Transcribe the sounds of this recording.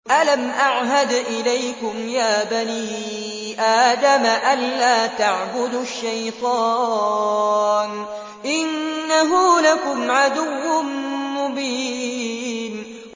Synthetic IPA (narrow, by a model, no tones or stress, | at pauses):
ʔalamʔaʕɦad̪ʔɪlajkʊmjaːbaniː | ʔaːd̪amaʔalːaːt̪aʕbʊd̪ʃːajt̪ˤɑː | n | ʔɪnːaɦʊlakʊmʕad̪ʊwːʊnmʊbiː | n